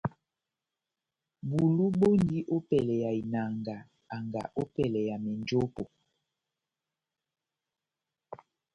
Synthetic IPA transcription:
bu˨lu˦ɓo˦ndi˦ʔo˦pɛ˨lɛ˨ja˨i˨na˨ŋɡa˨ | a˨ŋɡa̰˨ʔo˦pɛ˨lɛ˨ja˨mɛ˨nd͡ʒo˦po˨

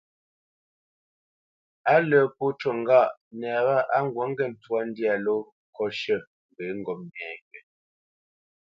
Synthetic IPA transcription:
a˦lə˨pu˦t͡ʃo˨ŋ˦ɡa˦˨ʔnɛ˨ba˦˨ʔa˦ŋ˦ɡwa˨˦ŋ˦ɡɛ˦˨n̩˨twa˦n˦dja˨lo˦ | kɔ˦ʃə˦˨ | m˨be˨˦ŋ˦ɡɔ˨m̚n˨ɛː˨ŋɡɛ˨

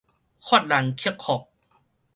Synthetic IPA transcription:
xʰɔː˥˩t̪̚la˨˩˦nkʰi˧˥əkʰɔ˨˩k̚

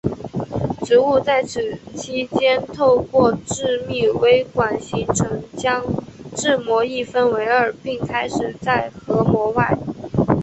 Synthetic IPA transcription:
ʈ͡ʂɻ̩˧˥u˥˧t͡sa˥˩ɪʈ͡ʂʰɻ̩˨˩t͡ɕʰi˥t͡ɕjɛ˥nt̪ʰo˥˧ʊkwɔ˥˧ʈ͡ʂɻ̩˥˧mi˥˩we˥ɪkwa˨˩nɕi˧˥ŋʈ͡ʂʰɤ˧˥ŋt͡ɕjɑ˥ŋʈ͡ʂɻ̩˥˩mwɔ˧˥i˥˧fə˥˧nwe˧˥ɪə˞˨˩pi˥˩ŋkʰa˥ɪʂɻ̩˨˩t͡sa˥˩ɪxɤ˧˥mwɔ˧˥wa˥˩ɪ

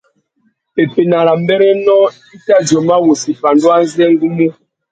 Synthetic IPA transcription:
e˨pe˨na˨ɾa˨mbɛ˦ɾɛ˦nɔ˦ | i˦ta˦d͡ʒɔ˨ma˦wo˨si˨fa˨ndu˦a˦n˦zɛ˦ŋ˦ɡu˦mu˦

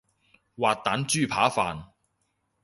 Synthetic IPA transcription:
waː˨t̚t̪aː˨˥nt͡ʃyː˥˩pʰaː˨˥faː˨n

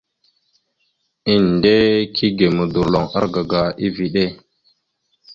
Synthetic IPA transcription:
i˦n˨de˦kʰi˦ɡe˨mə˨du˨ɾlo˨ŋa̰˦ɾɡa˨ɡa˨i˦vi˨ɗe˦˨

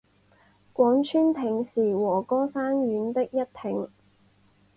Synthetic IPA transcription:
kʷwɔː˨˥ŋt͡ʃʰyː˥nt̪ʰɪ˨˥ŋsiː˨˩wɔː˨˩kɔː˥saː˥nɥyː˨˧˥nt̪ɪ˥k̚jɐ˥t̚t̪ʰɪ˨˩ŋ

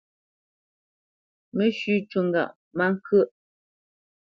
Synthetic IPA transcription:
me˦ʃʉ˦t͡ʃwu˨ŋ˨ɡa̰˨ʔ | ma˦ŋ˦kʰʔ

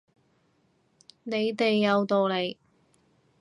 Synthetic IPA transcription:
ne˨˧jt̪e˨jːɐ˨˧wt̪o˨wle˨˧j

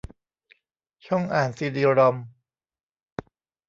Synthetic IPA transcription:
t͡ɕʰɔ˥˩ŋʔaː˨˩nsiː˧diː˧ɾɔ˧m

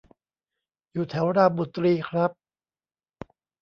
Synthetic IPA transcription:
juː˨˩t̪ʰɛ˩˦wɾaː˧˩bu˨˩t̪ːɾiː˧kʰɾa˦˥p̚

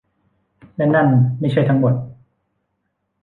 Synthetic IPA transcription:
lɛ˦˥˩na˥˩nma˥˩jt͡ɕʰa˥˩jt̪ʰa˦˥ŋbo˨˩t̪̚

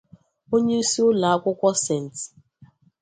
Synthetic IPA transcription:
o˦ɲe˦u˦si˦ʊ˦la˨a˦kʷʊ˦kʷɔ˦se˨n̩˨t

